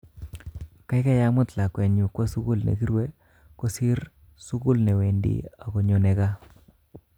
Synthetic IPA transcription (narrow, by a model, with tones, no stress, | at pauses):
ka˦jka˦ja˦mʊ˦t̪la˨kwe˨ɲu˨kwa˦su˦kʊ˦lnḛ˨ki˦ɾwe˦ | kɔ˦si˦ɾ | su˦kʊ˦lnɛ˨we˨ndḭ˨a˨kɔ˨ɲo˨nɛ˨ka˦